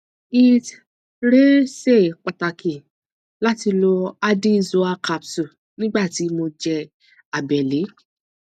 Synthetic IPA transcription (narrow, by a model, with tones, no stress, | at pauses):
i˧t | ɾe˦se˦˨k͡pa˨ta˨ki˨ | la˦ti˧lo˧a˧di˦˧˨zo˧a˧ka˨psu˨ | nĩ˦ɡ͡ba˦˨ti˨˦mo˧d͡ʒɛ˧ | a˨bɛ˨le˨˦